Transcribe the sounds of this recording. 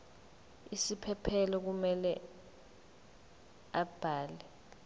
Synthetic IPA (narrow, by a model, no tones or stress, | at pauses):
isipʰɛpʰɛlɔk̬umɛlɛ | ab̥ʱaːlɛ